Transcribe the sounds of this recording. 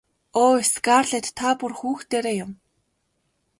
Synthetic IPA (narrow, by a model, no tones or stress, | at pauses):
oːisɡaːrɮet̪ʰːapʊrxuːxt̪eːɾeːjʊm